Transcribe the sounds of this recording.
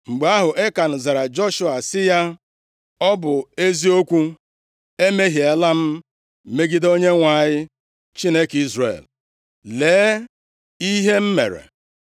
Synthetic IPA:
ŋ͡m̩˨ɡ͡be˨˦a˦ɦʊ˨ʔe˦ka˨n̩˨za˨ɾa˨d͡ʒɔ˦ʃʊ˦a˨sɪ˦ja˦ | ɔ˦bʊ˨e˦zi˦o˦kʷu˦ | e˦me˦ɦi˨e˨la˦m̩˦˨ | me˦ɡi˦do˦ɲe˦ŋʷa˨ɲɪ˦ | t͡ʃi˦ne˦ki˦zrḛ˨l | leː˨˦ | i˦ɦe˦m̩˦mḛ˨ɾḛ˨

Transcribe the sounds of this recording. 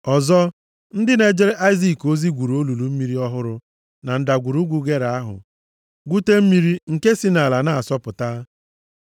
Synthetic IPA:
ɔ˨zɔ˦ | n̩˦dɪ˦ne˨d͡ʒe˦ɾe˦ʔa˦ɪ˦zi˦˨ko˦zi˦ɡʷu˨ɾu˨o˦lu˨lu˨m̩˦mi˦ɾi˦ɔ˦ɦʊ˦ɾʊ˦ | na˨n̩˨da˨ɡʷu˨ɾu˦ɡʷu˦ɡe˦ɾa˨a˦ɦʊ̰˨ | ɡʷu˦te˦m̩˦mi˦ɾi˦ŋ̩˨ke˦si˦na˨la˨na˦˨a˨sɔ˦pʊ˨ta˦

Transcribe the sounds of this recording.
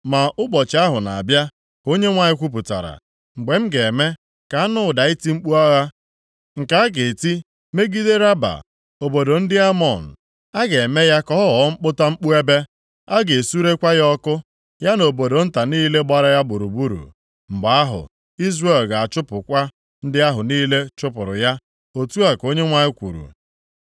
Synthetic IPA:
ma˨ʔʊ˦bɔ˨t͡ʃa˦ɦʊ˨na̰˨a˨bja˦ | ko˦ɲe˦ŋʷa˨ɲɪ˦kʷu˦p̬ʊ˨ta̰˨ɾa̰˨ | ŋ͡m̩˨ɡ͡be˨m̩˦ɡe˨me˦ | ka˨˦nʊ˦˨da˨i˦ti˦ŋ͡m̩˦k͡pu˦a˦ɣa˦ | ŋ̩˨ka˨a˦ɡe˨ti˦ | me˦ɡi˦de˦ɾa˦ba̰˨ | o˨bo˨do˨n̩˦dɪ˦a˦mɔ˨n̩˨ | a˦ɡe˨e˨me˦ja˦kɔ˦ɦɔ˦ɔ˨˦ŋ͡m̩˦k͡pʊ˦ta˦ŋ͡m̩˦k͡pu˦e˦be˦ | a˦ɡe˨su˦ɾe˦kʷa˦jɔ˦kʊ˦ | ja˦no˨bo˨do˨n̩˦ta˨niː˦le˦ɡ͡ba˨ɾa˦ja˦bʊ˨ɾu˨bu˦ɾṵ˨ | m̩˨ɡ͡ba˨a˦ɦʊ̰˨ | i˦zre˦˨lɡa˨a˨t͡ʃʊ˦pʊ˨kʷa˦ | n̩˦dɪ˦a˦ɦʊ˨niː˦le˦t͡ʃʊ˦pʊ˨ɾʊ̰˨ja˦ | o˦tu˦a˨ko˦ɲe˦ŋʷa˦ɪ˦kʷṵ˨ɾṵ˨

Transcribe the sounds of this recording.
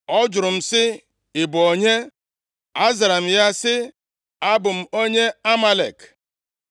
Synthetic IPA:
ɔ˦d͡ʒʊ˨ɾʊ˨m̩˨sɪ˦ | ɪ˨bʊ˨o˨ɲe˦ | a˦za˨ɾa˨m̩˨ja˦sɪ˦ | a˦bʊ˨m̩˨o˦ɲe˦a˦ma˦le˨k

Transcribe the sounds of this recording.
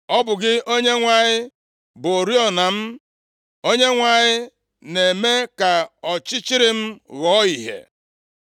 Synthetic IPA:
ɔ˦bʊ˨ɡɪ˦o˦ɲe˦ŋʷa˨ɲɪ˦ | bʊ˨o˨ɾi˦ɔ˨na˨m̩˦ | o˦ɲe˦ŋʷa˨ɲɪ˦ | ne˨me˦ka˨ɔ˨t͡ʃɪ˦t͡ʃɪ˦ɾɪ˦m̩˦ɣɔ˨˦i˨ɦḛ˨

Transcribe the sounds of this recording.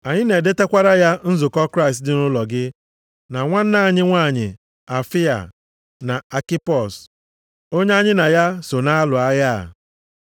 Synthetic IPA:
a˨ɲɪ˦ne˨de˦te˦kʷa˦ɾa˦ja˦n̩˦zʊ˨kɔ˦kɾa˦ɪ˨stdɪ˦nʊ˦lɔ˨ɡɪ˦ | na˨ŋʷa˦n̩˦na˦˨ɲɪ˦ŋʷa˦˨ɲɪ̰˨ | a˨fi˦a̰˨ | na˨a˨kɪ˦pɔ˨s | o˦ɲe˦a˦ɲɪ˦na˨ja˦so˨na˦lʊ˨a˦ɣa̰˦˨

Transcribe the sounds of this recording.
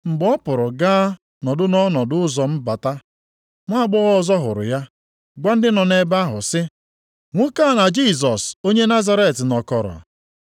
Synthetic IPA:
m̩˨ɡ͡bɔ˦pʊ˨ɾʊ˨ɡaː˦ | nɔ˨dʊ˦nɔ˦nɔ˨dʊ˦ʊ˦zɔ˨m̩˦ba˨ta˦ | ŋʷa˦a˦ɡ͡bʊ˦ɣɔ˦zɔ˦ɦʊ˨ɾʊ̰˨ja˦ | ɡʷa˦n̩˦dɪ˦nɔ˨ne˦ba˦ɦʊ˨sɪ˦ | ŋʷʊ˦ka˦˨na˨d͡ʒi˦˨s̬ɔ˨so˦ɲe˦na˦za˦ɾe˦˨tɪ˨nɔ˨kɔ˨ɾɔ̰˨

